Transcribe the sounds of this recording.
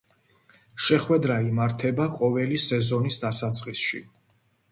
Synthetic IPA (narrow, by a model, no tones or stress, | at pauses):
ʃɛχwɛd̪ɾaimaɾt̪ʰɛbaqʼɔvɛlisɛzɔnisd̪asat̪sʼqʼisʃḭ